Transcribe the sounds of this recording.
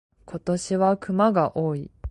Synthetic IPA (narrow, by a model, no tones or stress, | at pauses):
kʰo̞t̪o̞ɕiβakɯ̟maɡaʔo̞ːi